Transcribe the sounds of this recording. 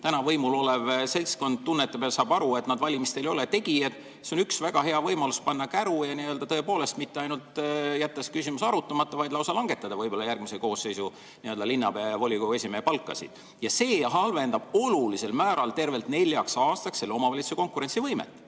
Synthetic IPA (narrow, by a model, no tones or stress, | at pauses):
t̪ænɑvɤjmulo̞levse̞lʲsko̞nd̪̥̚t̪unːet̪ːˑepeɑlsɑːb̥ɑɾue̞t̪nɑd̪vɑlʲimist̪e̞ljo̞let̪e̞ɡ̥iet̪ | seo̞nyksvæɡ̥ɑɦe̞ɑvɤjmɑluspɑnːɑkæɾujɑniø̞ld̪ɑt̪ɤe̞po̞ːle̞st̪mit̪ːeɑjnult̪ˑjæt̪ˑːɑskysimusɑɾut̪ːˑɑmɑt̪ˑːɑvɑjd̪lɑwsɑlɑŋɡ̥e̞t̪ːˑɑd̪̥ɑvɤjb̥o̞lːɑjærɡ̥mise̞ko̞ːsːe̞jsu | niø̞ld̪ɑlinːɑpevo̞lʲikoe̞sʲimeepɑlkːˑɑ̰sḭd̪̥ | jɑse̞ːɦɑlve̞nd̪ɑb̥o̞lulise̞lmæːɾɑlt̪e̞rve̞lt̪ne̞lʲjɑksɑːst̪ɑksːe̞lːeo̞mɑvɑlit̪su̥seko̞ŋkuɾe̞nsivɤjmḛt̪ːˑ